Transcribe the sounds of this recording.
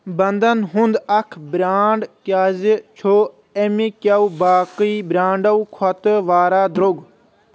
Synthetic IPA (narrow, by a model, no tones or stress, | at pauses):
bɐnd̪ɐnɦʊ̃nd̪ɐkʰbɾaːɳɖkjaːzt͡ʃʰoː | emikaubaːkiːbɾãːɳɖɐukʰɐt̪əʋaːɾaːd̪ɾoɡ